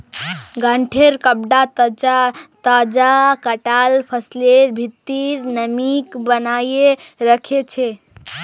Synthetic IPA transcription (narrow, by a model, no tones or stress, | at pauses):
ɡaɳʈʰeɾkəb̚ɖa | t̪ad͡ʒakəʈalpʰəsleɾbʱit̪ːiɾnəmikbənajeɾəkʰet͡ʃʰe